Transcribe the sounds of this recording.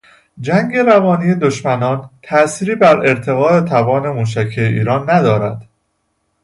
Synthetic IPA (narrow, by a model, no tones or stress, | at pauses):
d͡ʒæŋɡe̞ɾævɒːniːje̞d̪oʃmænɒːnt̪ʰæsiːɾiːbæɾe̞ɾt̪ʰe̞ɣɒːe̞t̪ʰævɒːne̞muːʃ̬æcʰieʔḭːɾɒːnːæd̪ɒːɾæd̪̥